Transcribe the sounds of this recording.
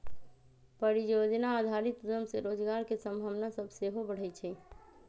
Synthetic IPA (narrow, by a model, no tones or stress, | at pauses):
pəɾijod͡ʒnaːd̪ʱaɾit̪ujəmseɾod͡ʒɡaɾkesə̃mbʱəʋnasəbʱseɦobəɽ̤ɛt͡ʃʰɛ